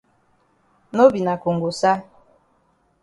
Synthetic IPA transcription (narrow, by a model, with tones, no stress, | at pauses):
no˦bi˨na˨ko˨ŋ˨ɡo˨sa˦